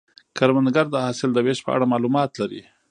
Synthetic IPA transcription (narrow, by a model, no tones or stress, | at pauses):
kaɾmand̪ɡaɾd̪əhɑsɪld̪əweʃpə̰ʔa̰ɽamɑlumɑt̪laɾḭ